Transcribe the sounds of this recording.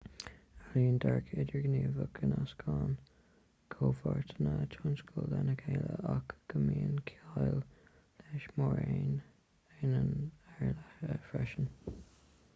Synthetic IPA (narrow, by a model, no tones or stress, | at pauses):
aliːəndaɹkʰɪdəɹɡniːvʊkʰənaskʰɑːn | kʰoːfɑɹtʰənətʰʊnskʰəllɛnəkʰeːləʔakɡ̥əmiːənkʰaɪl | lɛːʃmɔɹeːn | ɪnənɛɹlaəfɹɛʃən